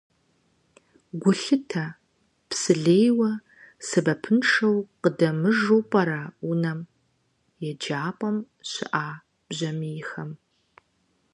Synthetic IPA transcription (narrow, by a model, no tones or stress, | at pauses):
ɡʷʊɬɨtʰɐ | psɨɮeːjwɐ | sɨbɐpʰɨnʂɐwqədɐmɨʐuwpʼɐɾaːʊnɐm | jɛd͡ʒaːpʼɐm | ɕɪ̰ʔaː | b̥ʑɐmijɪxɐm